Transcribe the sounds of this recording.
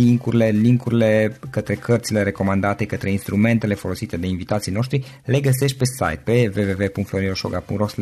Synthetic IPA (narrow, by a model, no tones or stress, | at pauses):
iŋkuɾile̞liŋkuɾile̞kət̪ɾe̞kʰərt̪sile̞ɾe̞ko̞mand̪at̪e̞kət̪ɾe̞inst̪ɾume̞nt̪e̞le̞fo̞lo̞sit̪e̞d̪e̞invit̪at̪sijno̞ʃt̪ɾi | le̞ɡəse̞ʃ̬t̪̚ʲpe̞sa̰jt̪̚pe̞ve̞ve̞ve̞puŋkt̪floɾioʃo̰ɡapṵŋros